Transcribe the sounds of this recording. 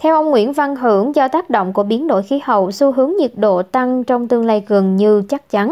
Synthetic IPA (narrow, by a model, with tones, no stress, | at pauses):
t̪ʰɛ˧wʔə˧wŋ͡mŋwḭ˧˥ənva˧nɦɨ˧˩əŋzɔ˧t̪aː˦˥k̚ɗo̰˧˨wŋ͡mku˧˩əɓi˨˦ənɗo̰˧˨jxi˨˦hə˨˩˨wsu˧ɦɨ˨˦əŋɲi˨˩ət̚ɗo̰˧˨t̪a˧ŋt͡ɕɔ˧wŋ͡mt̪ɨ˧əŋlaː˧jɣə˨˩nɲɨ˧t͡ɕa˦˥k̚t͡ɕa˨˦n